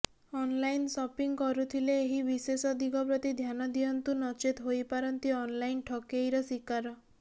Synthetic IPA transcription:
ɔnlajnsɔpiŋkɔɾut̪ʰileːɦibisesɔd̪iɡɔpɾɔt̪id̪ʱjanɔd̪iɔnt̪unɔt͡ʃit̪ɦojpaɾɔnt̪iɔnlajnʈʰɔkejɾɔsikaɾɔ

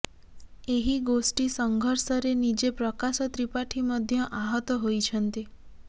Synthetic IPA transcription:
eɦiɡosʈisɔŋɡʱɔɾsɔɾenid͡ʒepɾɔkasɔt̪ɾipaʈʰimɔd̪ʱjɔʔaɦɔt̪ɔɦojt͡ʃʰɔnt̪i

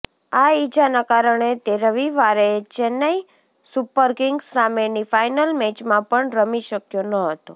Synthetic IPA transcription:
ait͡ʃanakaɾəɳet̪eɾəʋiʋaɾet͡ʃɛnai | supəɾkɪŋɡsamenifajnəlmed͡ʒmãpəɳɾəmiʃəkjonəɦət̪o

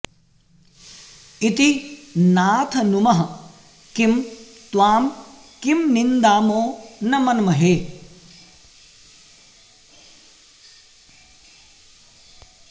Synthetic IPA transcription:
it̪inaːt̪ʰɐnumɐɦɐ | kim | t̪waːm | kimnind̪aːmoːnɐmɐnɐmɐɦeː

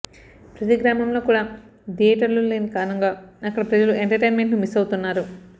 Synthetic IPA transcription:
pɾɐt̪iɡɾaːmɐmlo̞ːkuːɽaː | d̪iɐʈɐluleːnikaːnɐŋɡaːɐkːɐɽɐpɾɐd͡ʒɐluʔeɳʈɐɾʈejnme̞ɳʈnumisɐwut̪unːaːɾu

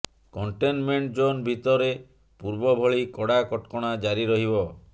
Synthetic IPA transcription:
kɔɳʈenmeɳʈd͡ʒonbʱit̪ɔɾe | puɾbɔbʱɔɭikɔɽakɔʈkɔɽ̃ad͡ʒaɾiɾɔɦibɔ

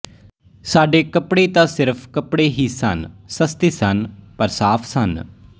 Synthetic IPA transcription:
saːɖeːkəpɽeːt̪ãːsɪɾpʰkəpɽeːɦiːsə̰nsəst̪iːsənpəɾsaːpʰsən

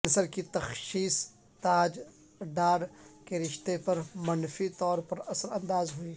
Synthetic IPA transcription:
nsəɾkit̪ɐxʃiːs | t̪aːd͡ʒ | ɖaːɽkeɾɪʃt̪epɐɾmɐnfit̪ɔːɾpɐɾɐsəɾɐ̃nd̪aːzɦʊiː

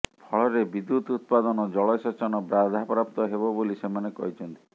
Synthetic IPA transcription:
pʰɔɭɔɾebid̪ːut̪ut̪̚pad̪ɔnɔd͡ʒɔɭɔsɔt͡ʃɔnɔbɾad̪ʱapɾap̚t̪ɔɦebɔbolisemanekɔɦit͡ʃʰɔnt̪i̥

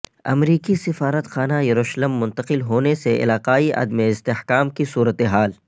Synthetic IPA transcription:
ɐ̰mɾiːkisɪfaːɾət̪xaːnajɐɾuːʃləmːʊ̃nt̪əqɪlɦoːneseʔɪ̰laːqaːiʔɐ̰d̪meɪst̪eħkaːmkisuːɾət̪eɦaːl

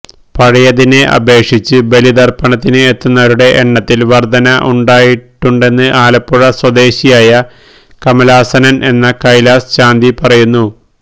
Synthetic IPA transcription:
pɐɻɐjɐðine̞ʔɐ̰be̞ːkʂit͡ɕːɨbe̞lid̪ɐrpɐɳɐt̪ːinɨet̪ːunːɐɐɾuɽe̞ʔeɳːɐt̪ːilʋɐrd̪ʱɐnɐʔuɳɖaːjiʈːuɳɖe̞nːɨʔaːlɐpːuɻɐswɐd̪e̞ːɕijaːjɐ | kɐmɐlaːsɐnɐnʔe̞nːɐkɐjlaːst͡ɕaːnd̪ipɐrɐjunːu

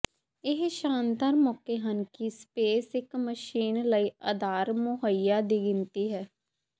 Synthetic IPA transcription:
ɪɦʃãːnd̪aːɾmɔːkeːɦənkiːspeːsɪkməʃiːnləiːəd̪aːɾmʊɦəijaːd̪iːɡɪnt̪iːɦɛː

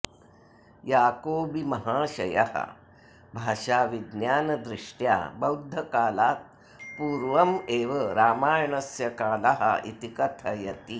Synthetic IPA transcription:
jaːkoːbimɐɦaːɕɐ̰ja̰hɐ̰ | bʱaːʂaːʋid̪njaːnɐd̪ɾiʂʈja̰bɐwd̪ʱːɐkaːlaːt̪̚ | puːɾʋɐmeːʋɐɾaːmaːjɳɐsjɐkaːlɐɦɐ̰it̪ikɐt̪ʰɐjɐt̪i

